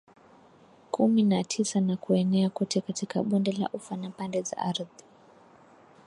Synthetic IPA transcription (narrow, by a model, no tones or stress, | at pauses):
kʰuminatʰisanakuɛnɛakɔtʰɛkatikaɓɔndɛla̰ʔufanapandɛza̰ʔaɾði